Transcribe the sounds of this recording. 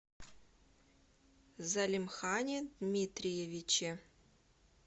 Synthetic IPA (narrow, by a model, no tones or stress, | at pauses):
zɐlʲimxɑnʲed̪mʲit̪rʲijevʲit͡ɕe